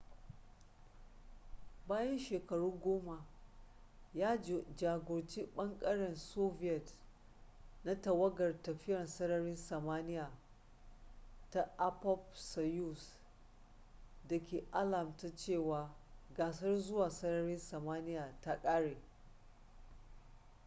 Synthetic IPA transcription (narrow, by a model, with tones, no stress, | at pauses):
baː˦jɐ˦nʃeː˨kɐ˨ɽuː˦ɡʷoː˦ma˨ | jaː˦˨d͡ʒaː˨ɡʷʊ˨ɾt͡ʃiː˦ɓɐ˦ŋkʼɐ˦ɽɛ˨nsoː˦ɸɪ˦jɛ˨t | na˦tɐ˨wɐ˦ɡɐ˨rtɐ˨ɸɪ˦jɐ˨nsɐ˦nɐ˦ɾɪ˦nsɐ˨maː˦nɪ˦jaː˨ | ta˨ʔa˦pɔ˦p̚sɐ˨ju˦˨s | dɐ˨kʲeː˨ʔa˦la˨mta˨t͡ʃeː˦˨waː˨ɡaː˨sɐ˦rzʊ˦waː˨sɐ˦nɐ˦ɾɪ˦nsɐ˨maː˦nɪ˦jaː˨ta˦kʼa˦ɽeː˨